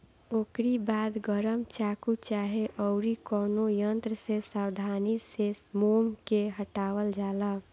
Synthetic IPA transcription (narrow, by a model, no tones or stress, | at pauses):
oːkɾibaːd̪ɡəɾəmt͡ʃaːkut͡ʃaːɦeʔɔʊɾikɔːnojənt̪ɾəsesaːwd̪ʱaːnisesmoːmkeɦəʈaːʋəld͡ʒaːla